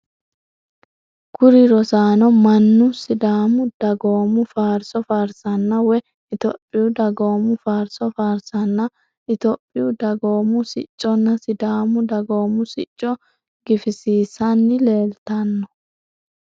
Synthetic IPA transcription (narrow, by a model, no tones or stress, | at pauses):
kʊɾɪɾɔsaːnɔmɐnːʊsɪd̪aːmʊd̪̥ɐɡo̞ːmʊfaːɾsɔfaːɾsɐnːɐwɛ | ɪt̪ɔpʼːɪjʊd̪ɐɡo̞ːmʊfaːɾsɔfaːɾsɐnːɐ | ʔɪt̪ɔpʼːɪjʊd̪ɐɡo̞ːmʊsɪt͡ʃʼːɔnːɐsɪd̪aːmʊd̪ɐɡoːmʊsɪt͡ʃʼːɔ | ɡ̥ɪfɪsiːsɐnːɪle̞ːlt̪ɐnːɔ̥